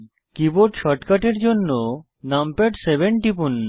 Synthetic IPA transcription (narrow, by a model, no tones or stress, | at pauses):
kiboʈʃɔʈkaʈeɾd͡ʑonːo | nampeʈsebeɳʈipunː